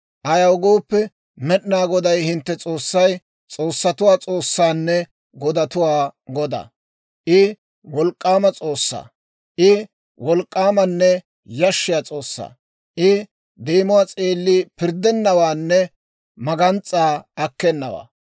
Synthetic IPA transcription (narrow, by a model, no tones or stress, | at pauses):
ʔɐjɐwɡoːpːɛ | mɛɗɪnaːɡɔd̪ɐjhɪnt̪ːɛt͡sʼoːsːɐj | t͡sʼo̞ːsːɐt̪ʊwaːt͡sʼo̞ːsːaːnːɛ | ɡɔd̪ɐt̪ʊwaːɡɔd̪ɐ̰ | ʔɪ | wɔlkʼːaːmɐt͡sʼo̞ːsːa̰ː | ʔɪ | wɔlkʼːaːmɐnːɛ | jɐʃːɪjat͡sʼo̞ːsːa̰ː | ʔɪ | d̪eːmʊwat͡sʼeːlːiːpɪɾd̪ɛnːɐwaːnːɛ | mɐɡɐnt͡sʼːaːɐkːɛnːɐwa̰ː